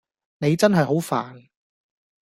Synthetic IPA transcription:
ne˨˧jt͡sɐ˥nɦɐ˨jɦo˨˥wfaː˨˩n

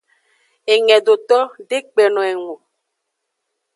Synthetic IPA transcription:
e˨ŋɛ˨do˨t̪ɔ˦ɖe˦k͡pɛ˨nɔ̃˨e˨ŋo˨

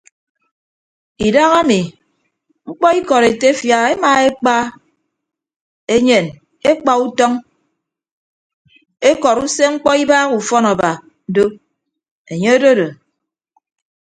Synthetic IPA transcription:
i˨da˦ɣa˦mi˨ | ŋ͡m̩˦k͡pɔ˦i˦kɔ˨ɾe˨te˦fja˨e˦ma˨e˦k͡pa˦ | e˦ɲe˨n | e˦k͡pa˨u˦tɔ˦ŋ | e˦kɔ˨ɾu˦se˦ŋ͡m̩˦k͡pɔ˦i˦baː˦ɣu˨fɔ˦na˨ba˨ | n̩˦do˦ | e˨ɲe˦e˦do˦do˨

